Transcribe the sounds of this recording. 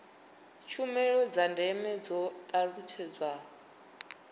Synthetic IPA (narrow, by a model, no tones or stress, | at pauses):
t͡ʃʰumɛɺɔd͡zandʱɛmɛd͡zɔt̪ʼaɺut͡ʃʰɛd͡zwa